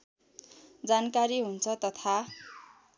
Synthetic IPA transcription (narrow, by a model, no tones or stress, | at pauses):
d͡zankaɾiɦunt͡sʰʌt̪ʌt̪ʰa